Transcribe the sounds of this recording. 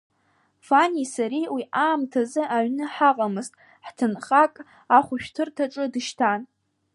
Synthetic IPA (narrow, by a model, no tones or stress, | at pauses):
fanisaɾiwiʔaːmtʰazɨʔaɥnɨħaqʼamɨztʼ | ħtʰɨnχakʼ | aχʷʊʃᶣtʰɨrtʰaʈ͡ʂʼɨdɨʃtʰan